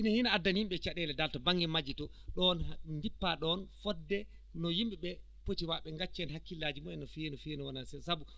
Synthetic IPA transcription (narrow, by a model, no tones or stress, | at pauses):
hinahinaadːanjimɓɛt͡ʃaɗɛlɛdaltɔbaŋɡɛmad͡ʒitɔ | ɗɔnndipːaɗɔnfɔdːɛ | nɔjimɓɛɓɛ | potiwaɓɛŋɡat͡ʃːɛnɦakːilːaːd͡ʒimɔɛnːɔfinɔfiɛnɔwanansɛsabu